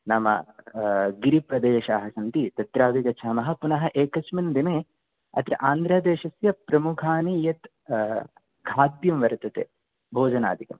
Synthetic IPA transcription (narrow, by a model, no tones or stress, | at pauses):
naːmɐ̰ | ɡiɾipɾɐd̪eːʃaːɦɐsɐnt̪it̪ɐt̪ɾaːʋiɡɐt͡ʃʰɐːmɐɦɐ̆punɐɦɐ̆ʔeːkɐt͡ʃmind̪ineː | ɐ̰t̪ɾɐʔaːnd̪ɾɐd̪eːʃɐsjɐpɾɐmukʰaːnijɐt̪ | ɡʱaːd̪jɐmʋɐɾt̪ɐt̪ḛː | bʱoːd͡ʒɐna̰ːd̪ʱikɐm